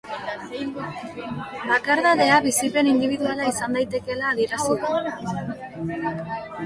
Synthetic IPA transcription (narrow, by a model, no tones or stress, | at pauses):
bakaɾðaðe̞aβisipe̞nind̪iβ̞iðualaisand̪ajt̪e̞ke̞laːðieɾasiko